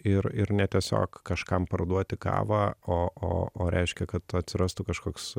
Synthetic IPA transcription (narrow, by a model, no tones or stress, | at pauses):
ɪrɪɾnʲɛt̪ʲiɛsʲo̰ːkkɐʃkɐmpɐrd̪uɔt̪ʲɪkɑ̰ːʋɑːoːo̰ːʔoːɾʲʔɛ̰ɪʃʲkʲɛkɐt̪ɐt̪ʲsʲɪɾɐst̪ʊkɐʃkoːks